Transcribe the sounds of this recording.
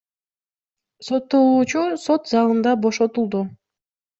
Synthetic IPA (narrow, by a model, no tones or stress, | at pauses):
so̞t̪ːolˠuːt͡ʃuso̞t̪zɑlˠɯnd̪ɑbo̞ʃo̞t̪ulˠd̪u